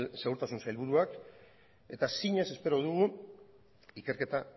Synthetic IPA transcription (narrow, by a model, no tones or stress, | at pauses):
se̞ɣuɾt̪asunsajlβuɾuak | e̞t̪asiɲe̞se̞spe̞ɾo̞ðuɣu | ike̞ɾke̞t̪a